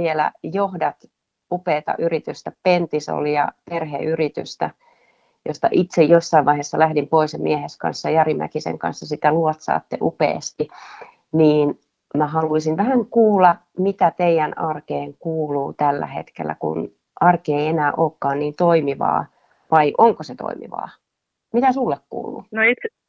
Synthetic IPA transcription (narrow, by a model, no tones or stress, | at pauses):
ʋielæ̰johdɑt̪ | upeːt̪ɑ̰ʔyrit̪yst̪æpent̪iso̰ljɑ̰perhḛyrit̪y̰st̪æ | jost̪ɑʔit̪sejjosːɑiʋɑiɦeːsːɑlæhdimpoisɑmieheskɑ̰nsːɑjɑrimæ̰kisḛŋkɑ̰nsːɑsit̪æluot̪sɑ̰ːt̪ːeʔupḛːst̪i | niːn | mæhɑluisinʋæhæŋkuːlːɑ | mit̪æt̪eijænɑrkeːŋkuːluːt̪ælːæ̰hḛt̪kḛlːæ̰kṵn | ʔɑrkieienæːʔoːkːɑːnniːnt̪oimiʋɑ̰ː | ʋɑiʔoŋkoset̪o̰imḭʋɑ̰ː | mit̪æsulːekkṵːlːṵnoit̪s